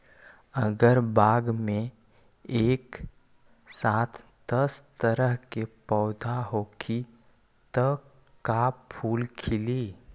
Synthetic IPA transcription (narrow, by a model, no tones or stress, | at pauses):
əɡəɾbaːɡmẽ | eːk | saːt̪ʰ | d̪əst̪əɾəɦkepɔːd̪ʱaɦoːkʰi | t̪ɔ | kapʰuːlkʰɪliː